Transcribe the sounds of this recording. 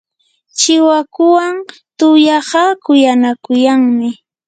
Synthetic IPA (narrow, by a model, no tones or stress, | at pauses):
t͡ʃɪwakʊwaŋ | t̪ʊjɑɢɑkʊjanakʊjaŋmɪ